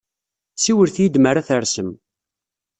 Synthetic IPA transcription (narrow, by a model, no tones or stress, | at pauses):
siwəɾθjid̪məɾaθəɾsəm